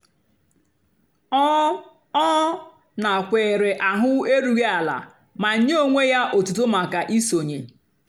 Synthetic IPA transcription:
ɔ˦ | na˨kʷe˨ɾe˨ʔa˨ɦʊ˦e˦ɾu˨ɣe˦a˨la̰˨ | ma˨ɲ̩˦ɲe˦o˦ŋʷe˦ja˦ʔo˨tu˨t̬o˦ma˨ka˨ʔi˦so˨ɲe˨

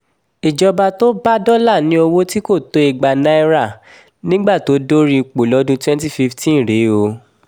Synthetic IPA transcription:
i˨d͡ʒɔ˧ba˧to˦ba˦dɔ˦la˦˨nĩ˨˦o˧wo˦ti˦ko˦˨to˨˦i˧ɡ͡ba˧nã˦i˦ɾa˦˨ | nĩ˦ɡ͡ba˦˨to˨˦do˦ɾĩ˦i˧˨k͡po˨lɔ˦dũ˦twɛ̃˦n˦ti˦˨fi˧ftĩ˦˨ɾe˨˦o˧

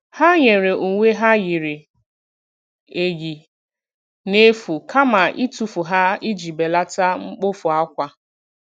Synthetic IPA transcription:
ha˦ɲe˨ɾe˨u˨ŋʷe˦ɦa˦ɣi˨ɾɪ˨ | e˨ɣi˨ | ne˦fu˨kʰa˦ma˨ʔi˦tu˨fu˨ɦa˦i˦d͡ʒi˨be˨la˦ta˦ŋ͡m̩˦k͡po˦fʊ˨a˦kʷa˦

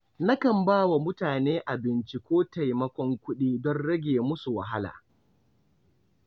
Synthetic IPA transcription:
na˦kɐ˨mbaː˦wa˨mʊ˦taː˨neː˦ʔa˨bɪ˨nt͡ʃi˦kʷoː˦ta˨jmɐ˦kʷɔ˦ŋkʷʊ˦ɗiː˦dɔ˦nɽɐ˦ɡʲeː˨mʊ˦su˨wa˨ɦa˦la̰ː˨

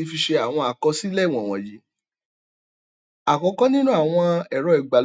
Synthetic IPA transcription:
i˧˦fi˧ʃe˧a˨w̃ɔ̃˧a˨kɔ˧si˦lɛ˦˨w̃ɔ̃˨w̃ɔ̰̃˨ji˨˦ | a˨kɔ˨˧˦kɔ˦nĩ˦nũ˦a˦˨w̃ɔ̃˧ɛ˨ɾɔ˧˦ɛ˨ɡ͡ba˨l

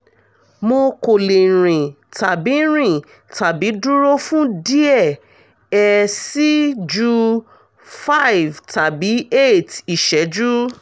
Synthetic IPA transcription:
mo˧ko˨le˨ɾ̃ĩ˨ | ta˨bi˨˦ɾ̃ĩ˦˨ | ta˨bi˨˦du˦ɾo˦fũ˦di˦ɛ˦˨ | ɛ˧si˦d͡ʒu˧ | fa˦˨vta˨bi˨˦e˦˨ti˨ʃɛ˨˦d͡ʒu˦

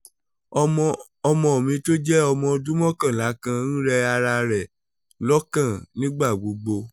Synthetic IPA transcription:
ɔ˧mɔ̃˧o˨mĩ˧to˦d͡ʒɛ˦ɔ˧mɔ̃˧dũ˦mɔ̃˦kã˦˨la˨˦kã˧ñ̩˦ɾɛ˧a˧ɾa˧ɾɛ˨ | lɔ˦kã˦˨nĩ˦ɡ͡ba˦˨ɡ͡bo˨˧ɡ͡bo˧

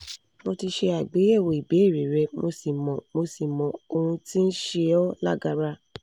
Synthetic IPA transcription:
mo˧ti˧ʃe˧a˨ɡ͡be˨˦ɛ˦˨wo˨i˨be˨˦i˦˨ɾi˨ɾɛ˧˦mo˧si˨mɔ̃˨mo˧si˨mɔ̃˨o˧hũ˧ti˦n̩˦ʃe˧ɔ˦la̰˦˨ɡa˧ɾa˧

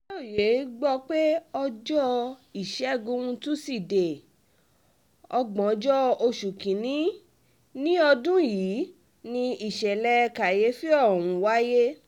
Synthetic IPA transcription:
o˦˨je˨˦ɡ͡bɔ˧k͡pe˦ɔ˧d͡ʒɔ˦i˨ʃɛ˨˦˨ɡũ˧˦ũ˧tu˦si˦˨de˨ | ɔ˧ɡ͡bɔ̃˨˧˦d͡ʒɔ˦o˧ʃu˨kĩ˨nĩ˨˦ | nĩ˦ɔ˧dũ˦jiː˨˦ | nĩ˧i˨ʃɛ˨lɛ˧ka˨je˨˦fi˦ɔ˦˨wũ˨˦wa˦je˦

